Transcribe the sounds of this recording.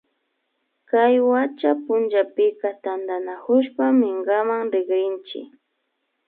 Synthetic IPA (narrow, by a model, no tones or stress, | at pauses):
kajwat͡ʃapʊnʒapɪkat̪and̪anakʊʃpamɪɴɢamaŋɾɪɡɾɪnt͡ʃɪ̰k